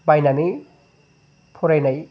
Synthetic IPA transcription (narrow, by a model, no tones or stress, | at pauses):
bajnani | pʰɔɾajnaj